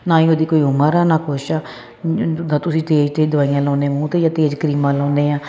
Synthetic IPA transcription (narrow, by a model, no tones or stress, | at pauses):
nãːĩːoːd̪iːkoːiːʊmãːɾaːnãːkʰʊʃaː | d̪ãːt̪ʊsĩːt̪eːd͡ʒt̪eːd̪ʊʋaːijãːlãːneːmũːt̪eːd͡ʒãːt̪eːd͡ʒkəɾiːmãːlãːneːãː